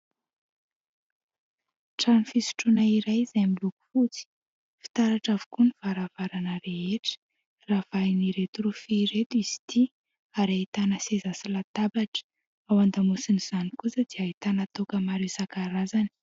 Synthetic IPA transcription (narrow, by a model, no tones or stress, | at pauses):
ʈ͡ʂanifisu̥ʈ͡ʂunaiɾajzajmiluku̥fut͡si̥ | fi̥t̪aɾaʈ͡ʂavukuniv̥aɾavaɾanəɾeeʈ͡ʂə̥ | ravajniɾet̪uɾufiɾet̪uiz̥i̥t̪i | aɾait̪anəsezasilat̪abaʈ͡ʂə̥ | awand̪amusiniz̥anikut͡səd̪̥iait̪anat̪ukəmaɾewsakaɾazani̥